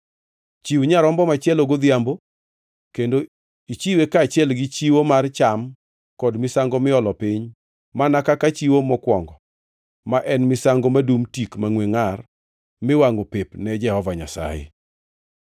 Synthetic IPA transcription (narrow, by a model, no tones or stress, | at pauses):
t͡ʃiwɲaɾɔmbɔmat͡ʃɪɛloɡod̪jambo | kendo | it͡ʃiwekaːt͡ʃɪɛlɡɪt͡ʃiwomart͡ʃam | kɔdmɪsaŋɡɔmɪɔlɔpɪɲ | manakakat͡ʃiwomɔkwɔŋɡɔ | maʔɛnmɪsaŋɡomadumtikmaŋweŋar | mɪwaŋopɪpnɛd͡ʒɛhɔvaɲa̰sa̰jɪ̰